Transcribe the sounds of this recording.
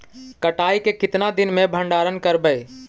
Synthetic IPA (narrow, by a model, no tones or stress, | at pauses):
kəʈaːikekɪt̪nad̪ɪnmẽbʱə̃ɳɖaːɾənkəɾbəɪ